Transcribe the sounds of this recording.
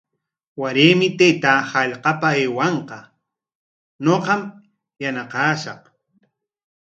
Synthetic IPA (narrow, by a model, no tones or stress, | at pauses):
waɾeːmɪt̪ejt̪aːhɑʎqɑpaeːwɑɴqɑ | noqɑm | janaqɑːʃɑq